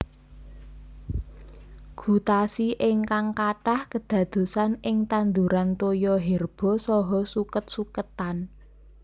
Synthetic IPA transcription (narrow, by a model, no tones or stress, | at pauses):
ɡ̥ṳt̪asiʔɪŋkaŋkaʈahkəd̪̥ä̤d̪̥o̤sanɪŋt̪and̪uɾant̪ojɔɦɛrb̥ɔ̤sɔɦɔsukət̪̚sukət̪an